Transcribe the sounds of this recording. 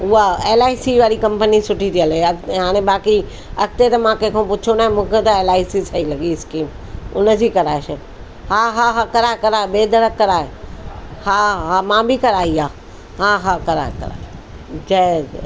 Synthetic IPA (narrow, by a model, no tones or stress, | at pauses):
ʊaeːlaːisiʋaːɾikɐ̃mpənisʊʈʰit̪ʰiɐleɐɦaːɽ̃ẽbaːki | ɐk̚t̪et̪ɐmãkẽɦkʰõpʊt͡ʃʰonaːɦẽmũːkʰet̪ɐeːlaːisisɐilɐɠiɪskiːm | ʊ̰nə̆d͡ʑiːkɐɾaːeʃɐ | haɦaɦakɐɾaːɦekɐɾaːebeːd̪ɐɾəkːɐɾaːe | haɦamãːbɪkɐɾaːiaː | ɦaɦakɐɾa̰ːekɐ̰ɾa̰ːɦe | d͡ʑɐ